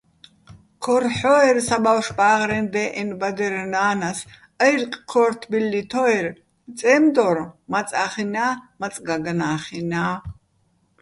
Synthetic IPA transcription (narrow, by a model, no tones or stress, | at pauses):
kʰɔrħɔɛrsabawʃbaːʁɾɛnd̪ɛːʔɛnbad̪ɛɾnaːnas | əjrqʼkʰɔɾt̪ʰbilːit̪ʰɔɛɾ | t͡sʼɛːmd̪ɔɾmat͡sʼaχinaːmat͡sʼɡaɡanaːχinaː